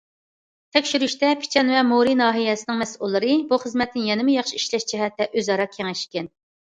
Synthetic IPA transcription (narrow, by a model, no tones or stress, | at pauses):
t̪ʰɛkʲʃyɾyʃt̪ɛpʰɪ̥t͡ʃʰɛnvɛmoɾinɑːɦijɛsɪnɪŋmɛsulˠːɨɾɨbuχəzmɛt̪nɪnjɛnɪmɪjɑχʃiiʃlɛʃd͡ʒɛɦɛt̪ʰːɛʔøzɑɾɑkʲʰeŋɛʃkʲɛn